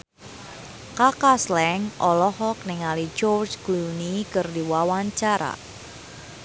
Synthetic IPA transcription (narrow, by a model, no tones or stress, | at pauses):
kakaslɛŋʔɔlɔhɔk̚nɪŋali̥d͡ʒɔrd͡ʒɡ̥uunikərdiwawaɲt͡ʃaɾa̰